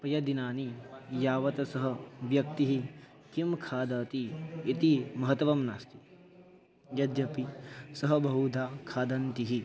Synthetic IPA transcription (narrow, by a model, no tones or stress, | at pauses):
pɾɐjɐd̪inaːnijaːʋɐt̪ɐsɐɦɐ̆ʋjɐk̚t̪iɦi | k̪imkʰaːd̪aːt̪iːt̪imɐɦɐt̪ʋɐmnaːst̪i̥ | jɐd̪jɐpisɐɦɐbɐɦud̪ʱaːkʰaːd̪ɐnt̪iɦi